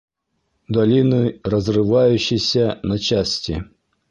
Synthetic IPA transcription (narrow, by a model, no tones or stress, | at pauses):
d̪ɐlʲinɨrɐzrɨvajʊɕːɪjsʲɐnɐt͡ɕasʲtʲɪ